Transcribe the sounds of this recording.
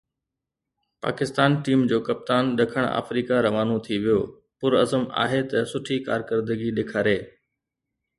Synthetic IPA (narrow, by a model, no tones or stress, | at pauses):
pa̰ːkɪst̪aːnʈiːmd͡ʑoːkɐp̚t̪aːnɗɐkʰəɽ̃a̰ːfɾiːkaɾɐʋaːnõt̪ʰiʋijoː | pʊɾɐzəma̰ːɦet̪ɐsʊʈʰikaːɾkəɾd̪əɡiɗeːkʰaːɾeː